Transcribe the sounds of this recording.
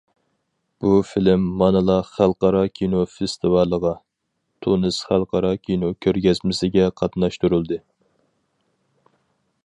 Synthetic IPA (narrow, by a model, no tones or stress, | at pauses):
b̥ufɪlɪmːɑnɨlˠɑχælˠqɑɾɑkʲʰinofest̪ʰɨvɑlˠəʁɑ | t̪ʰunɨsχælˠqʰɑɾɑkʲʰinokʲʰøɾɡʲɛzmɪsɪɡʲɛqʰɑt̪nɑʃt̪uɾulˠd̪ɨ